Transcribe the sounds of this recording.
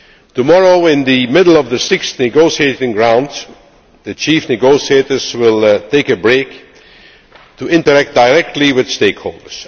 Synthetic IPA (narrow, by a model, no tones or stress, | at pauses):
tumɔɹoʊɪ̃nðɨmɪdl̩ˠʌvðəsɪksnɨɡoʊsieɪtɪ̃ŋɡɹãʊ̃ndz | ðɨt͡ʃifnɨɡoʊsieɪtə˞zwɪlˠteɪkɨbɹeɪk | tuɪ̃ntə˞æk̚t̚d̥aɪɹɛk̚tʰˡliwɪð̥steɪkho̰lˠdə˞s